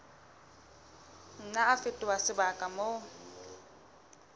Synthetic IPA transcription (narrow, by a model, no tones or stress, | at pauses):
n̩naafɪtʼɪwasɪbakʼamo